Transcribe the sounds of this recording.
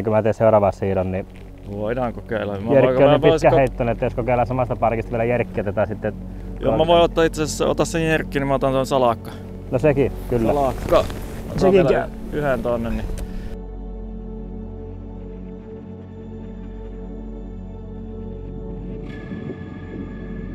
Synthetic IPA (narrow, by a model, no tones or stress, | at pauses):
kumæt̪eˑːseˑurɑʋɑssiːnonni | ʋoˑidɑːŋkokeˑilːɑmjærkionipioˑiskːæheˑit̪ːænːˑet̪ːoˑskokeˑilːɑsɑmɑst̪ɑpɑrkist̪ɑʋielæjærkːiet̪æot̪ɑˑsit̪ːe | jo̰mæʋoˑiot̪ːɑːit̪sesesso̰t̪ɑssejjerkːiːnimæot̪ɑnt̪onsɑlɑkːɑ | nosekikylːælɑkːɑsekiyhent̪onːenni